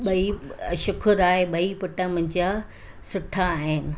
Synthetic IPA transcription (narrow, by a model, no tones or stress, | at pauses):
ɓɐiʃʊkʰʊɾaːɦeɓɐipʊʈə̃mɐ̃ɲd͡ʑa | sʊʈʰaːɦɪnɪ̆